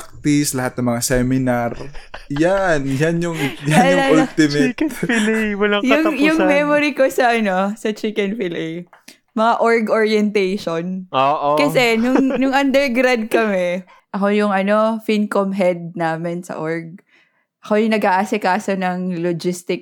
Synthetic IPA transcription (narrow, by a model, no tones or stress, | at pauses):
k̚t̪islɐhat̪̚nɐŋmɐŋasɛmɪnaɾjanjanjʊŋjaanljlaʊlt̪ɪmflwɐlɐjʊŋjʊŋmɛmoɾiko̞sɐʔɐno̞sɐt͡ʃikɛnfɪlɛj | mɐŋaʔoɹɡʔoɹjɛnt̪ejʃonoʔkɐsɛnʊnʊŋʔɐnd̪ɛɹɡɾad̪̚kɐmɛ | ʔɐko̞jʊŋʔɐno̞finkomɦɛd̪̚naːmɪnsɐ̰ʔoɹɡ̚ | ʔɐko̞jʊŋnɐɡʔaːʔasɪkaːso̞nɐŋlod͡ʒist̪ɪk̚